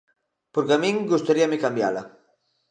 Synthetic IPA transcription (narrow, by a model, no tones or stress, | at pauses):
poɾkeamĩŋɡust̪aɾiamekambja̰la